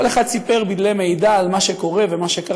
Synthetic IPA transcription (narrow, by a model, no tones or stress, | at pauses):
ole̞χad̪̚sipe̞ʁbidlejme̞jd̪aːlmaʃeko̞ʁevemaʃeka